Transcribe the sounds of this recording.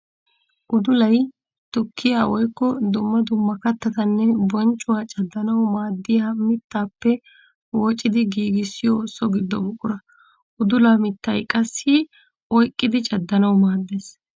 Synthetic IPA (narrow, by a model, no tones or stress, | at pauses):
ʔʊd̪ʊlɐj | t̪ʊkːɪjaːwɔjkːɔd̪ʊmːɐd̪ʊmːɐkɐt̪ːɐt̪ɐnːɛbɔnt͡ʃʼːʊwaːt͡ʃʼɐd̪ːɐnɐwmaːd̪ːɪjaːmɪt̪ːaːpːɛ | wɔt͡ʃʼːɪd̪ɪɡiːɡɪsːɪjosɔɡɪd̪ːɔbʊkʼːʊɾɐ | ʔʊd̪ʊlamɪt̪ːɐjkʼɐsːi | ɔjkʼːɪd̪ɪt͡ʃʼɐd̪ːɐnɐwmaːd̪ːeːs